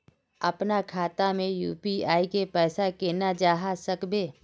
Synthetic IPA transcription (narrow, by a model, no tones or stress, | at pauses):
ɐpnakʰaːt̪amẽjṵːpiaːikepɛːsakeːnad͡ʒaːɦasəkbeː